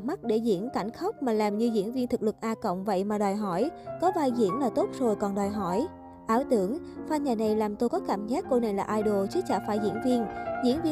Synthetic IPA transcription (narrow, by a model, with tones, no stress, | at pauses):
ma˦˥k̚ɗe˧˩zḭ˧˥ənka˧˩jŋ̟xa˦˥wk͡p̚maː˨˩laː˨˩mɲɨ˧zḭ˧˥ənvi˧nt̪ʰɨ˨˩k̚lɨ˨˩k̚ʔaː˧kə̰˧˨wŋ͡mvə̰˧˨jmaː˨˩ɗɔː˨˩jɦɔ˧˩jkɔ˨˦vaː˧jzḭ˧˥ənlaː˨˩t̪o˦˥t̚zo˨˩jkɔ˨˩nɗɔː˨˩jɦɔ˧˩j | ʔaː˧˦wt̪ɨ˧˩˦əŋfaː˧ɲaː˨˩na˨˩jlaː˨˩mt̪o˧jkɔ˨˦kaː˧˩mzaː˦˥k̚ko˧na˨˩jlaː˨˩ʔaː˧jɗo˨˩t͡ɕɨ˨˦t͡ɕaː˧˩faː˧˩jzḭ˧˥ənvi˧ənzḭ˧˥ənvi˧